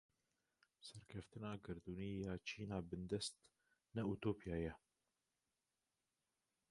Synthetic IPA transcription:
sɛɾkʰɛft̪ɨnɑːɡɨɾd̪uːniːjɑːt͡ʃʰiːnɑːbɨnd̪ɛst̪ | nɛut̪oːpijɑːjɛ

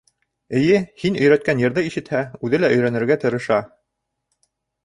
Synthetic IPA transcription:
ɘ̆jɘhinɵ̆jɾæt̪̚kænjɤ̆ɾðɤiʃɘ̆t̪hæʉðɘlæʔɵ̆jɾænɘ̆ɾɡæt̪ɤ̆ɾɤ̆ʃɑ

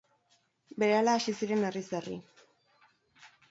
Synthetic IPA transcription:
be̞ɾe̞alaːsisiɾe̞neriserḭ

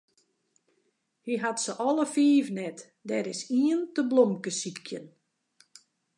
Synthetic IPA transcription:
hiɦatsəʔɔlˠəfiːvnɛt | dɛɾɪsiəntəblomkəsikʰjən

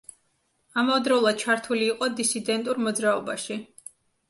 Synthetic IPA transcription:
amavɛd̪ɾɔulˠad̪̥̚t͡ʃʰaɾt̪ʰuliːqʼɔd̪isid̪ɛnt̪ʼuɾmɔd̪zɾaɔbaʃi

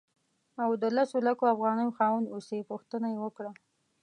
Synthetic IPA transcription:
awd̪əlasolakoafɣɑnəjoxɑwənusepuxt̪ənajewəkɽa

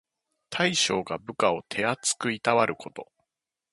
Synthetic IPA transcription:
t̪ʰaiɕo̞ːɡabɯ̟kao̞t̪ʰe̞at͡sɨ̥kɯ̟it̪aβaɾɯ̟kʰo̞t̪o̞

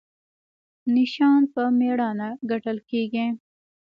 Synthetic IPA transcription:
nɪʃɑnpəmeɽɑnaɡaʈəlkeɡi

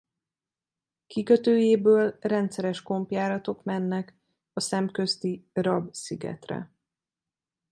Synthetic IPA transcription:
kikø̞t̪øːjeːbøːlrɛnt̪sɛɾɛʃko̞mpjaːɾɒt̪o̞kmɛnːɛk | ɒsɛmkø̞st̪irɒbsiɡɛ̰t̪rɛ̰

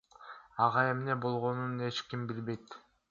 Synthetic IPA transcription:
ɑʁɑe̞mne̞bo̞lˠʁo̞nune̞t͡ʃkʲimbilbe̞jt̪

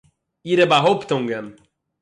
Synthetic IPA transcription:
iɾɛbaɦopt̪ɔ̃ŋɡɛm

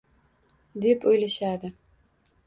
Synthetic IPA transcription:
d̪e̞pojlaʃad̪ɪ

